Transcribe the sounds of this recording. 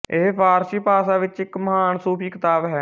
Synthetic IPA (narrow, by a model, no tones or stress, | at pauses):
eɦpʰaːɾsiːpaːsaːʋɪt͡ʃɪkməɦaːnsuːpʰiːkɪt̪aːbɦɛː